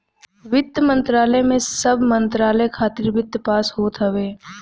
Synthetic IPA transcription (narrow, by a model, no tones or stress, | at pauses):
ʋɪt̪jəmə̃nt̪ɾaːləemẽsɐbmə̃nt̪ɾaːləekʰaːt̪ɪɾʋɪt̪ːpaːsɦoːt̪ɦəʋeː